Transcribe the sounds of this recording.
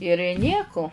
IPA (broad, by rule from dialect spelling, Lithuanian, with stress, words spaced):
ɪr ˈnʲiɛkʊ